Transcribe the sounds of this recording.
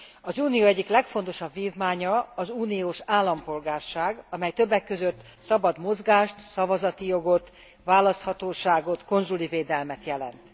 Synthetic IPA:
ɒzuːnijoːɛɟːiklɛkfon̪t̪o̞ʃɒbviːvmaːɲɒɒzuːnijoːʃaːlːɒmpo̞lɡaːrʃaːɡɒmɛjt̪øbːɛkːø̞zøt̪ː | sɒbɒd̪mo̞zɡaːʃt̪sɒvɒzɒt̪ijo̞ɡo̞t̪ | vaːlɒst̪hɒt̪oːʃaːɡo̞t̪ko̞nzuliveːd̪ɛlmɛt̪jɛlɛ̰nt̪

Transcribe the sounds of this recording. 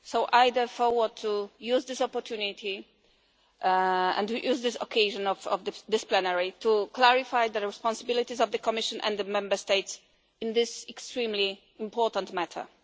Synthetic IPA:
sowʔajd̪əfɔwəd̚t̪ʰːujuzd̪ɪsɔpɔɾt̪ʰjunit̪ʰi | ɛ̰̃ntujʔuzd̪ɪsɔ̰kʰejʒɔ̃nɔvɔ̰vdəd̪ɪsplɛnaɹit̪ʰuklaɹifajd̪əɹɛspɔ̃nsabilit̪izɔvd̪əkɔmɪʃɔ̃nʔɛ̰̃nd̪d̪əmɛ̃mbəst̪ejts | ɪ̃nd̪ɪsɛkst̪ɹĩmli | ĩmpɔɹt̪ãnt̪mætʰə̰˞

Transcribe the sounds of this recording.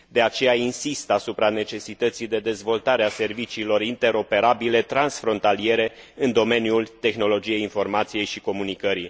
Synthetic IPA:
d̪e̞at͡ʃe̞jainsist̪asupɾane̞t͡ʃe̞sit̪ət̪sijd̪e̞d̪e̞zvo̞lt̪aɾease̞rvit͡ʃiːlo̞ɾint̪e̞ɾo̞pe̞ɾabile̞t̪ɾansfɾo̞nt̪alie̞ɾe̞ | ɨnd̪o̞me̞njult̪e̞xno̞lo̞d͡ʒije̞jinfo̞rmat̪sije̞jʃiko̞munikəɾi

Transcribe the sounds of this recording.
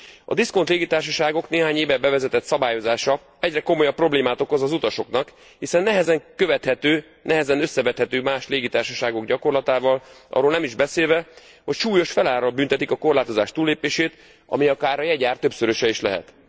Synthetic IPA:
ɒ̰d̪isko̞nt̪leːɡit̪aːrʃɒʃaːɡo̞kneːɦaːɲeːvɛbɛvɛzɛt̪ɛt̪sɒbaːjo̞zaːʃɒ | ɛɟrɛko̞mojɒpːro̞bleːmaːt̪o̞kozɒzut̪ɒʃo̞knɒk | hisɛnːɛɦɛzɛŋkøvɛt̪hɛt̪øː | nɛɦɛzɛnø̞sːɛvɛt̪hɛt̪øːmaːʃleːɡit̪aːrʃɒʃaːɡo̞ɡɟɒko̞rlɒt̪aːvɒlʔɒ̰rːoːlnɛmiʒbɛseːlvɛ | ho̞cʃuːjo̞ʃfɛlaːɾɒlbynt̪ɛt̪ikɒko̞rlaːt̪o̞zaːʃt̪uːlːeːpeːʃeːt̪ | ɒ̰miɒkaːɾɒjɛɟaːrt̪ø̞psøɾøʃɛiʃlɛ̰ɦɛ̰t̪

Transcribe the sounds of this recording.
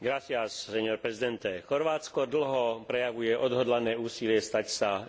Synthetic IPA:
ɡɾasɪassɛɲɔɾpɾɛzid̪ɛnt̪ɛxɔɾʋaːt͡skɔd̪l̩ɦɔpɾɛjaʋujɛʔɔd̪ɦɔd̪lanɛːuːsilɪɛst̪acsa

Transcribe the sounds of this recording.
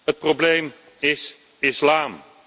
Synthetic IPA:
ət̚problejm | ɪs | ɪslaːm

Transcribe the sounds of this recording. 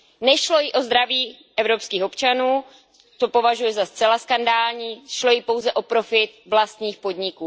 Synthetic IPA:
nɛʃlo̞jɪʔo̞zd̪ɾaviː | ʔɛvɾo̞pskiːxo̞pt͡ʃanuː | t̪o̞po̞vaʒujɛzast͡sɛlaskandaːlɲiːʃlo̞jɪpo̞wzɛʔo̞pɾo̞fɪt̪vlast̪ɲiːxpo̞dɲɪkuː

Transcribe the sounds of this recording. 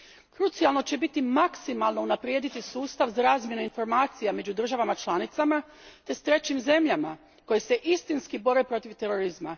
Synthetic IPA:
kɾut̪sijalˠno̞t͡ɕe̞bit̪imaksimalˠno̞unapɾjeːd̪it̪isuːst̪aʋzaɾaːzmje̞nuinfo̞ɾmaːt̪sijame̞d͡ʑud̪r̩ʒaʋamat͡ʃlˠanit̪sama | t̪e̞st̪ɾe̞t͡ɕimze̞mʎama | ko̞jese̞ʔist̪inskibo̞ɾe̞pɾo̞t̪iʋt̪e̞ɾo̞ɾizma

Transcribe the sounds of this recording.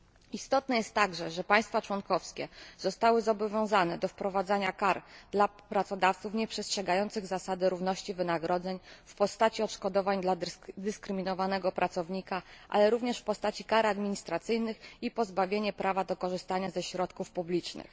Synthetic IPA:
ist̪ɔt̪nɛjɛst̪ːaɡʐɛʐɛpaj̃st̪fat͡ʂwɔnkɔfskʲɛz̥ɔst̪awɘzɔbɔvʲjɔ̃w̃zanɛd̪ɔfpɾɔvad̪zaɲakaɾd̪lapɾat̪sɔd̪aft̪sufɲɛpʂɛstʂɛɡajɔnt̪sɘɣzasad̪ɘɾuvnɔɕt͡ɕivɘnaɡɾɔd̪zɛɲfpɔst̪at͡ɕiɔtʂkɔd̪ɔvaɲd̪lad̪ɘskɾɘmʲinɔvanɛɡɔpɾʔat̪sɔvɲikaʔa̰lɛɾuvɲɛʂfpɔst̪at͡ɕikaɾad̪mʲiɲist̪ɾat̪sɘjnɘxipɔzbavʲjeɲɛpɾavad̪ɔkɔʐɘst̪aɲazɛɕɾɔt̪kufpublʲit͡ʂnɘ̰x

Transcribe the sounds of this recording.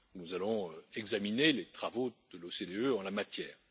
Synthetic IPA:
nuzalɔ̃ɛɡzaminelet̪χavod̪̥əlosed̪eøɑ̃lamat̪jɛːʁ

